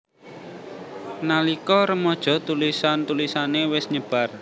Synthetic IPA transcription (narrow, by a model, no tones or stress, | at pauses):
nalikɔɾəmɔd̥ʒ̥ɔ̤t̪ulisant̪ulisanewɪsɲəb̥a̤r